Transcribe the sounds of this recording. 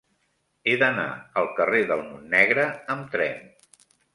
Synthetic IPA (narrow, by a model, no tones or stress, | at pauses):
eðəna̰əlˠkəreðəlˠmunːɛɣɾəəmt̪ɾɛ̰n